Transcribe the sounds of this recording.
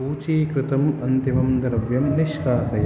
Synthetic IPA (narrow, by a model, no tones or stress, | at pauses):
uːt͡ʃiːkɾɪt̪ɐmɐnt̪imɐmd̪ɐɾɐʋjɐmniʃkaːsɐj